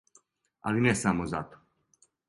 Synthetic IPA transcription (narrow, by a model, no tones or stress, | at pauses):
a̰linɛsamozat̪o̥